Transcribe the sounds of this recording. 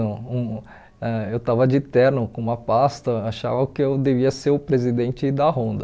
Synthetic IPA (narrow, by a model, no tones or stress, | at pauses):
õũ | ɛewt̪avɐd͡ʒɪt̪ɛɾnʊkõũmɐpast̪ɐaʃa̰vɐʊkɪewd̪eviɐseɾʊpɾezid̪ẽnt͡ʃɪd̪ɐɦõnd̪ɐ